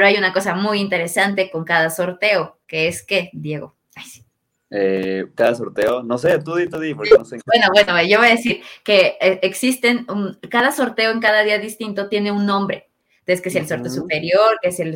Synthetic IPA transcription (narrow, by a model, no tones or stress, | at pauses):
peɾoajunako̞samujint̪e̞ɾe̞sant̪e̞ko̞ŋkaðaso̞ɾt̪e̞o̞ke̞eske̞d̪je̞ɣo | ajsi̥ | ekaðasoɾt̪eonoset̪uðit̪uðipoɾknosebwenoβwenoʝo̞βojaðesiɾke̞eːksist̪enunkaðaso̞ɾt̪e̞oe̞ŋkaðaðiaðist̪int̪o̞t̪je̞ne̞unːõ̞mbɾe̞̰ | eskeeselso̞ɾt̪eosupe̞ɾjo̞ɾkeesel